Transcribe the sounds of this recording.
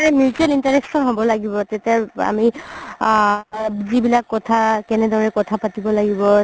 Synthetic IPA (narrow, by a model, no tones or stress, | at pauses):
ɹɛmituɛlintaɹɛksɔnɦobɔlaɡibɔtɛtaa̰mi | zibilakːɔtʰakɛnɛdaɹɛkɔtʰapatibɔlaɡibɔ